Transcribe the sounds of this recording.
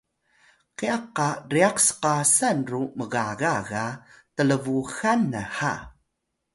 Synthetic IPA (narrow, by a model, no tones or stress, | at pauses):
qiaqːariaqsə̥qasanruməɣaɣaɣatələvuxanəħa̰